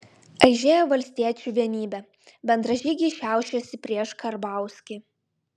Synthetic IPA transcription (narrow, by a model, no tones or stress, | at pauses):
ɐɪʒʲeːjoːʋɐlʲsʲt̪ʲiɛt͡ʃʲuːʋʲiɛnʲiːbʲɛ | bʲɛnd̪ɾɐʒʲiːɡʲɛːʃʲæˑʊʃʲɛsʲɪpʲɾʲiɛʃkɐɾbɑˑʊsʲkʲɪ